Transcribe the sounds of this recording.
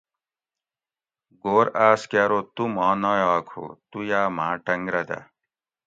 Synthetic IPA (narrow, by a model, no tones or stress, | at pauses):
ɡoːɾaːskaːɾot̪umãːnɔjaːkʰo̰t̪ujaːmãːʈɐŋɡɾɐd̪a̰